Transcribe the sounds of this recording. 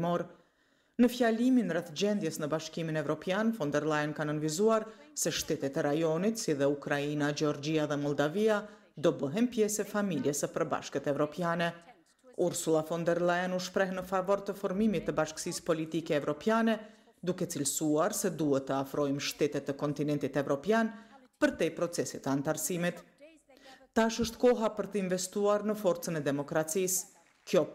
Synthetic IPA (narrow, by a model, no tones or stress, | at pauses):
mɔɾ | nəfjaliminrɛθd͡ʑɛnd̪jɛsnəbaʃkiminɛvɾɔpjanfɔnd̪ɛɾlˠajənkanənvizuaɾsɛʃt̪ɛt̪ɛt̪ɛɾajɔnit̪siðɛukɾainad͡ʒɛɔɾd͡ʒiaðɛmɔlˠd̪avia | d̪ɔbəɦɛnpjɛsɛfamiljɛsəpəɾba̰ʃkət̪ɛvɾɔpjanɛ | uɾsulˠafɔnd̪ɛɾlˠaɛnuʃpɾɛhnəfavɔɾt̪əfɔɾmimit̪ːəbaʃksispɔlit̪ikɛːvɾɔpjanɛ | d̪ukɛt͡silsuaɾsɛd̪uɦɛt̪ːəafɾɔjmʃt̪ɛt̪ɛt̪ːəkɔnt̪inɛnt̪it̪ɛvɾɔpjan | pəɾt̪ɛpɾɔt͡sɛsit̪əant̪aɾsimit̪ | aʃəʃt̪kɔɦapəɾt̪əinvɛst̪uaɾnəfɔɾt͡sənɛd̪ɛmɔkɾat͡sis | kjɔ